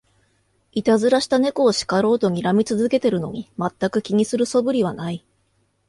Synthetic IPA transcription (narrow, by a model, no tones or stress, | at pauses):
it̪azɨɾaɕi̥t̪ane̞ko̞ːɕi̥kaɾo̞ːt̪o̞ɲ̟iɾamʲit͡sɨzɨke̞t̪e̞ɾɯ̟no̞ɲ̟imat̪ːakɯ̟kʲiɲ̟isɨɾɯ̟so̞bɯ̟ɾʲiβanai